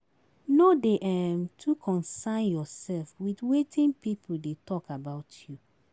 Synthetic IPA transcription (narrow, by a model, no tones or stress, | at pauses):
nodeʔɛmtʰukʰɔ̃nsãnjɔsɛlfwidwetʰĩnpip̩ʰdetʰɔkabaʊtʰju